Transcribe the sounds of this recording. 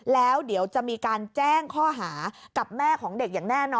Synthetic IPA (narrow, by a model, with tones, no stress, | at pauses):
lɛː˦˥wdi˩˦əwt͡ɕa˨˩ʔmiː˧kaː˧nt͡ɕɛː˥˩ŋkʰɔː˥˩ɦaː˩˦ka˨˩p̚mɛː˥˩kʰɔː˩˦ŋde˨˩k̚jaː˨˩ŋnɛː˥˩nɔː˧